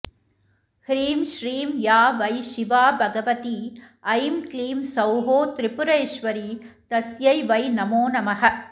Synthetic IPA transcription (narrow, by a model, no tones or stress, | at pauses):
hɾiːmʃɾiːmjaːʋɐɪʃɪʋaːbʱɐɡɐʋɐt̪i | ɐjmkliːmsɐwɦoːt̪ɾɪpʊɾɐjʃʋɐɾit̪ɐsjɐɪʋɐɪnɐmoːnɐmɐɦɐ